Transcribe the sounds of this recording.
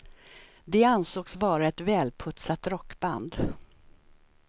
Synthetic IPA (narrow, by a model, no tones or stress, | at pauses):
d̪ɛansoːksvɑːɾaɛt̪vɛːlpʰɵt̪sat̪ɾɔkːba̰nd̪